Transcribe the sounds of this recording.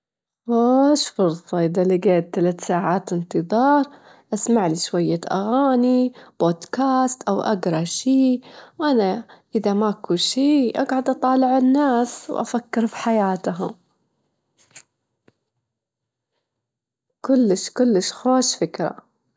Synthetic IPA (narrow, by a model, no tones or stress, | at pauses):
xoʃfʊɾsˤɑʔɪðalɪɡeːt̪ːalat̪saːʕaːt̪ɪnt̪ɨðˤɑːɾˤ | ʔasmaʕliʃwajːaʔa̰ɣaːnib̥oːd̪kaːst̪ʔawʔa̰ɡɾˤɑʃiːwʔanaʔɪðamaʔkuʃiːʔa̰ɡʕad̪ʔɑt̪ˤɑːlɪʕɪnːaːswʔa̰fakːɪɾfi̥ħajaːt̪ɦʊm | kʊlːɪʃkʊlːɪʃxoːʃfɪkɾˤɑ̰